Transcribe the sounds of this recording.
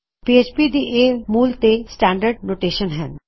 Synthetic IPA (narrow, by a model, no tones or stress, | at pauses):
pieːt͡ʃpid̪iːʔeːmuːlt̪esʈɛ̃ːɳɖəɾɖnoːʈeːʃənɦɛn